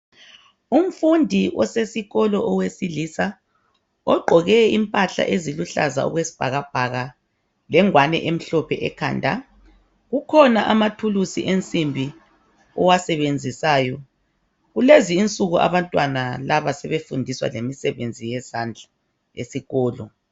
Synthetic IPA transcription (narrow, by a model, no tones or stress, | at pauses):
um̩fundʱiɔsesiɣɔlɔʔɔwesilisa | ɔɡ͡ǃʱɔɣɛimpʼaɬa̰ʔeziluɬa̰za̰ɔ̰ɣwesi̥b̥ʱaɣab̥ʱaɣa | lɛŋwanɛ̰ʔem̩ɬɔpʰɛʔɛkʰa̰ːndʱa̰ | ɣukʰɔnaʔamatʰulusḭʔent͡sʼimbʱi | ɔwasɛβend͡zʱisaːjɔ | ɣuleziːnt͡sʼuɣuʔa̰βantʼwanalaβasɛβefundʱiswa̰lemisɛβend͡zʱijɛsand͡ɮʱa | ḛsiɣɔːlɔ